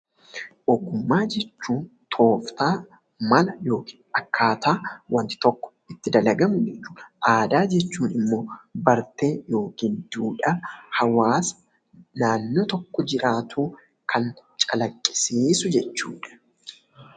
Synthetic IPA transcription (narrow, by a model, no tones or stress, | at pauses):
ʔɔɡːʊmːaːd͡ʒɛt͡ʃːuːnt̪ʰo̞ːft̪aː | mɐlɐjo̞ːkʰi̥ːnɐkːaːt̪aːwɐnt̪ɪ̥t̪ɔkːɔ̥ | ɪt̪ːɪd̪ɐlɐɡɐmʊd͡ʒɛt͡ʃːu̥ːnɐʔaːd̪aːd͡ʒɛt͡ʃːuːnɪmːo̞ːbɐɾt̪eːjo̞ːkiːnd̪uːᶑɐhɐwaːsɐ̥ | naːnːoːt̪ɔkːɔd͡ʒɪɾʔaːt̪ʰuː | kʰɐnt͡ʃʼɐlɐkʼːɪ̥siːsʊd͡ʒɛt͡ʃːuːᶑɐ̥